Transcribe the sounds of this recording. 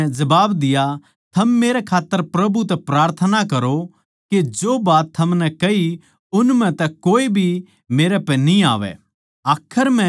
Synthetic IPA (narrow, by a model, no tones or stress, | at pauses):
d͡ʒɐbaːbd̪ɪja | t̪ʰɐmːeːɾɛkʰaːt̪ːəɾpɾɐbut̪ɛpɾaːɾt̪ʰənakɐɾo | ked͡ʒoːbaːt̪ʰːɐmnɛkɐɦi | ʊnmɛ̃t̪ɛkoːibʱi | meːɾɛpɛ̃nĩa̰ːʋɛ̰ | aːkʰːəɾmɛ̃